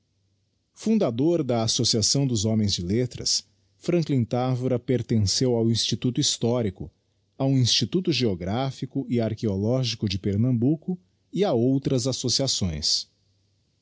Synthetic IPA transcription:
fũd̪ad̪oɾd̪ɐasosiasɐ̃w̃d̪ʊzɔ̃mẽj̃zd͡ʒɪlet̪ɾɐ̰s | fɾɐ̃ŋklĩnt̪avuɾɐpeɾt̪ẽsewawĩst͡ʃit̪ut̪ʊist̪ɔɾikʊ | awĩst͡ʃit̪ut̪ʊʒeoɡɾafikʊʔɪaɾkeolɔʒikʊd͡ʒɪpeɾnɐ̃mbukʊ | ɪaowt̪ɾɐzasosiasõj̃s

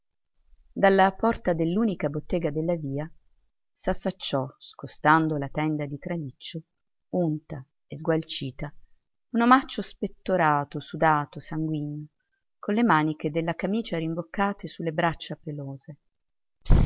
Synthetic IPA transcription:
d̪alːapɔrt̪ad̪elːuːnikabot̪ːɛːɡad̪elːaviːa | safːat͡ʃːɔskost̪and̪olat̪ɛnd̪ad̪it̪ɾalit͡ʃːo | unt̪a | ezɡwalt͡ʃiːt̪a | unomat͡ʃːospet̪ːoɾaːt̪osud̪aːt̪osaŋɡwinːo | konlemaːniked̪elːakamiːt͡ʃaɾimbokːaːt̪esulːebɾat͡ʃːapeloːze

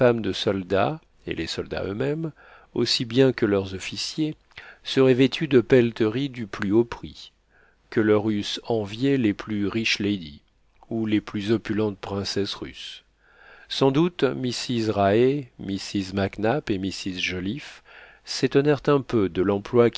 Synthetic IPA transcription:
famd̪əsɔld̪a̰ | ḛlesɔld̪a̰ø̰mɛm | o̰sibjɛ̃kəlœʁzɔfisje | səʁɛvet̪ʰyd̪əpɛlt̪əʁid̪yplyopχi | kəlœʁysɑ̃vjeleplyʁiʃlejd̪i | uleplyzɔpylɑ̃t̪̚pχɛ̃sɛsʁy̰s | sɑ̃d̪ut̪misizʁaemisizmaknapemisizʒɔlif | set̪ɔnɛʁt̪ɛ̃pød̪əlɑ̃plwak

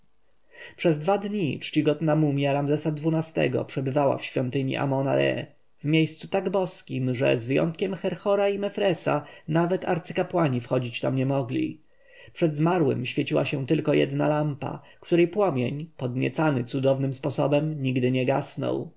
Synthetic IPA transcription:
pʂɛzd̪vad̪ɲḭt͡ʂt͡ɕiɡɔd̪namumʲjaɾamzɛsad̪vunast̪ɛ̰ɡɔ̰pʂɛbɘvawa̰fɕfʲjɔnt̪ɘɲḭʔa̰mɔna̰ɾɛ̰ | vmʲjejst̪sut̪aɡbɔskʲimʐɛ̰zvɘjɔ̰nt̪̚kʲɛmxɛɾxɔɾaimɛfɾɛsa̰navɛt̪a̰ɾt̪sɘkapwaɲifxɔd͡ʑit͡ɕt̪amɲɛmɔɡlʲḭ | pʂɛd̪zmaɾwɘ̰mɕfʲjet͡ɕiwaɕɛ̃t̪ɘlkɔjɛ̰d̪na̰lampa̰ | kt̪uɾɛjpwɔmʲjeɲpɔd̪ɲʲɛ̰t̪sanɘt̪sud̪ɔvnɘmspɔsɔbɛmɲiɡd̪ɘɲɛɡasnɔ̰w

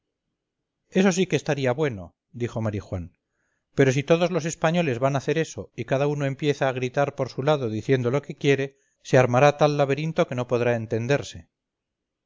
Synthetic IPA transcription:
e̞so̞sikest̪aɾiaβwe̞no̞̰ | d̪ixo̞maɾixwan | pe̞ɾo̞s̬it̪o̞ð̞o̞zlo̞s̬e̞spaɲo̞le̞zβanaθe̞ɾe̞so̞ikaðauno̞e̞mpje̞θaːɣ̞ɾit̪aɾpo̞ɾsulaðo̞ðiθje̞nd̪o̞lo̞ke̞kje̞ɾe̞ | se̞aɾmaɾat̪alːaβe̞ɾint̪o̞ke̞no̞po̞ðɾaent̪e̞nd̪e̞ɾse̞

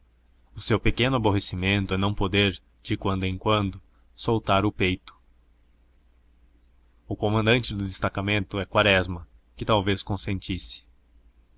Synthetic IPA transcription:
ʊsewpekẽnʊaboɦesimẽnt̪ʊɛnɐ̃w̃pod̪eɾ | d͡ʒɪkwɐ̃nd̪ʊẽkwɐ̃nd̪ʊ | sowt̪aɾʊpejt̪ʊ̥ | ʊkomɐ̃nd̪ɐ̃nt͡ʃɪd̪ʊd̪est̪akamẽnt̪ʊɛkwaɾɛzmɐ | kɪt̪awveskõsẽnt͡ʃisɪ̥

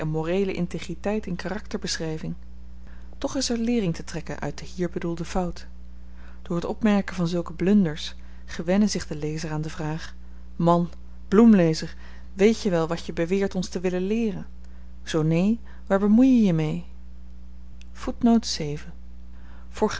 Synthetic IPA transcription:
ɛnmorejləʔɪnteχritɛjtɛnkaːrɑktəɹbəsrɛjvɪŋ | tɔχɪsɛɹlɪːrɪŋtətrɛkənʔœ̰ɥt̚dəɦiːɹbədulˠdəv̥ʌwt | d̥ʊːɹɦətɔpmɛɹkəvɑnzɵlˠkəblɵndəɹs | χəʋɛnəzɪχdəlejzəraːndəvraːχ | mɑn | b̥lumlejzəɹ | ʋejtəʋɛlˠʋɑtjəbəʋɪːɹtɔnstəʋɪləlɪːrən | z̥ownej | ʋaːɹbəmujjəjəmej | futnowtsejvən | fʊːɹχ

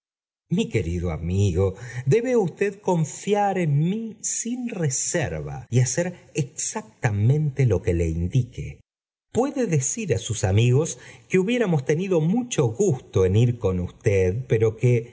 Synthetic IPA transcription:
mike̞ɾiðoa̰miɣod̪e̞βeust̪eðko̞ɱfjaɾenmisinresḛɾβa̰iaseɾeksak̚t̪amẽ̞nt̪e̞lo̞ke̞le̞̰ind̪ikḛ | pwe̞ðeðesiɾasusamiɣo̞skeuβje̞ɾamo̞st̪eniðo̞mut͡ʃo̞ɣust̪o̞eniɾko̞nust̪eðpeɾo̞ke

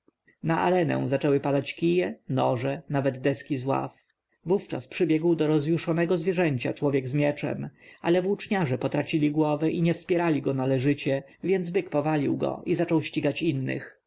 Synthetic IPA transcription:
naʔa̰ɾɛnɛ̰w̃zat͡ʂɛwɘpad̪at͡ɕkʲijɛnɔʐɛnavɛd̪d̪ɛskʲizwa̰f | vuft͡ʂa̰spʂɘbʲjɛɡwd̪ɔɾɔzjuʂɔnɛɡɔzvjɛʐɛɲt͡ɕa̰t͡ʂwɔvʲjɛɡzmjɛt͡ʂɛ̰malɛvut͡ʂɲaʐɛpɔt̪ɾat͡ɕilʲiɡwɔvɛʔiɲɛfspʲjɛɾalʲiɡɔnalɛʐɘt͡ɕɛ | vʲjɛnd̪zbɘkpɔvalʲiwɡɔ̰ʔizat͡ʂɔwɕt͡ɕiɡat͡ɕinːɘ̰x

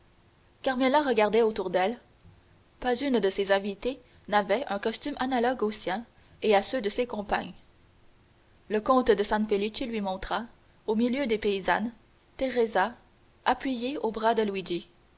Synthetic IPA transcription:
kaʁmelaʁəɡaʁd̪ɛot̪uʁd̪ɛl | pazynd̪əsezɛ̃vit̪e | navɛœ̃kɔst̪ymʔanalɔɡosjɛ̃ | easød̪əsekɔ̃pa̰ɲ | ləkɔ̃t̪d̪əsɛ̃npelit͡ʃilɥimɔ̃t̪χa | omiljød̪epeiza̰n | t̪eʁeza | apɥijeobʁad̪əlwid͡ʒi

